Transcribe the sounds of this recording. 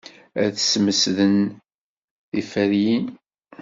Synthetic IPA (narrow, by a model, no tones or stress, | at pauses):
æθsməsðən | ðifæɾjin